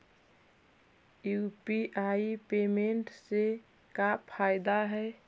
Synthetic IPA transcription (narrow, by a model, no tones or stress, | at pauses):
jupiʔaipemeɳʈse | kapʰaɪd̪aɦɛ